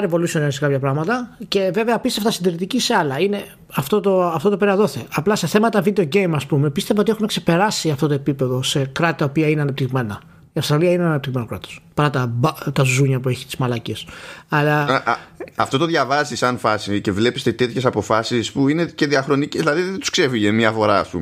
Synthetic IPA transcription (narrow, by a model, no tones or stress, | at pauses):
ɐɾevo̞lusioninsekɐpçɐpɾɐɣmɐt̪ɐce̞ve̞veɐpist̪eft̪ɐsind̪iɾit̪icise̞ɐlɐine̞ | ɐft̪ot̪oɐft̪o̞t̪opeɾɐðo̞θeɐplɐse̞θe̞mɐt̪ɐvid̪eo̞ɟe̞jmɐspume̞pist̪e̞vɐot̪ie̞xunekse̞pe̞ɾɐsiɐft̪o̞t̪oepipe̞ðo̞se̞kɾɐt̪it̪ɐopiɐineɐnɐp̚t̪iɣme̞nɐ | iɐfsɾɐliɐineɐnɐpt̪iɣme̞no̞kɾɐ̰t̪o̥spɐɾɐt̪ɐbt̪ɐzuɲɐpue̞çi̥t̪i̥zmɐlɐcesɐlɐ | ɐft̪o̞t̪o̞ðʝɐvɐzisɐnfɐsice̞vle̞pist̪et̪e̞t̪çe̞sɐpo̞fɐsispuinece̞ðiɐxɾo̞niceðilɐðiðent̪u̥skse̞viʝemiɐfo̞ɾɐ̰ɐ̰spṵm